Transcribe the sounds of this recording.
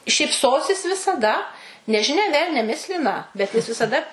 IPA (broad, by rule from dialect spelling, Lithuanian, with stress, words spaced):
ʃʲiːpˈsoːsʲɪs ʋʲɪsɐˈdɐ nʲɛʒʲɪˈnʲɛ ˈʋʲɛlʲnʲɛ ˈmʲɪsʲlʲɪnɐ bʲɛt ˈjɪs ʋʲɪsɐˈdɐ